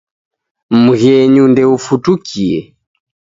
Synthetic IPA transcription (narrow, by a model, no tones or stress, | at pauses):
muɣɛɲundɛufutukʰiɛ